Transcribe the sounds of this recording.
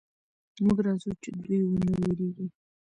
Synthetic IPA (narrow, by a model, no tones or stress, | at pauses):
muɡɾazut͡ʃɪd̪ujwənəaweɾeɡi